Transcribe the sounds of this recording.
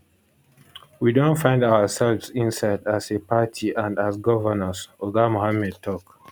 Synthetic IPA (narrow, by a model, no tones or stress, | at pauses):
widõntfãɪ̃ndawəsɛlvsĩnsaɪdasepatʰiʔãndasɡɔvənəsoɡamohamɛd̚tʰɔk